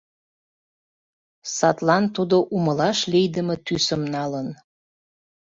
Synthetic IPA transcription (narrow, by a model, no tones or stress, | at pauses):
sɑt̪lɑnt̪ud̪oʔuməlɑʃlejd̪əmət̪ysəmnɑlən